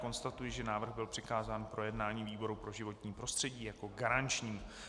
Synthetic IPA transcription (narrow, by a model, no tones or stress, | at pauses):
ko̞nst̪at̪ujɪʒɛnaːvr̩ɣbɪlpr̥ɪkaːzaːnpɾo̞jɛdnaːɲiːviːbo̞ɾupɾo̞ʒɪvo̞t̪ɲiːpɾo̞st̪r̝̥ɛɟiːjako̞ɡaɾant͡ʃɲiː